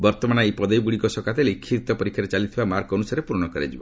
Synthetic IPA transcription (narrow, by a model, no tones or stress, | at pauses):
bɔɾt̪ɔmanaepɔd̪ɔjɡuɽikɔsɔkat̪elikʰːit̪ɔpɔɾikʰːaɾet͡ʃalit̪ʰibamaɾkɔnusaɾepuɾɔɽ̃ɔkɔɾḛd͡ʒibɔ